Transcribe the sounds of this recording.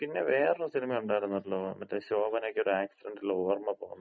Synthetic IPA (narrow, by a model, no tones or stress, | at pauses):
pinːe̞ʋeːrusilmɐjuɳɖaːjiɾunːɐilːoːmɐt̪ːeɕoːbɐneːkʲːo̞ɾuaːksiɖeɳɖilːooːrmɐpoːɣunː